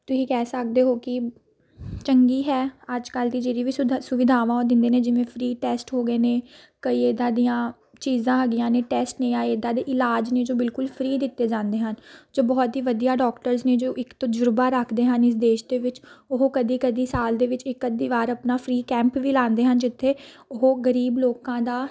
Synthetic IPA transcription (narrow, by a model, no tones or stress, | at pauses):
t̪ʊsĩːkɛːsək̚d̪eːɦoːkɪ | t͡ʃəŋɡiːɦɛːəd͡ʒkəld̪iːd͡ʒeːɾiːʋiːsʊʋɪd̪ʱaːʋãːõd̪ɪ̃nd̪eːneːd͡ʒɪʋẽːpʰɾiːʈɛːsʈɦoːɡəeːneː | kəiːeːd̪ãːd̪ijãː | t͡ʃiːzãːɦəɡɪjãːneːʈɛːsʈnẽːãːeːd̪ãːd̪eːʔɪlaːd͡ʒneːd͡ʒoːbɪlkʊlpʰɾiːd̪ɪt̪ːeːd͡ʒãːnd̪eːɦənd͡ʒoːbɔːt̪ɦiːʋəd̪ijaːɖɔːkʈəɾzneːd͡ʒoːʔɪkt̪õːd͡ʒʊɾbaːɾəkʰd̪eːɦənɪs̬d̪eːʃd̪eːʋɪt͡ʃʊɦoːkəd̪iːkəd̪iːsaːld̪eːʋɪt͡ʃɪkːəd̪iːʋaːɾəpnaːfʰɾiːkɛ̃ːmpʋiːlãːnd̪eːɦənd͡ʒɪt̪ʰːeː | ʊɦoɡəɾiːbloːkãːd̪aː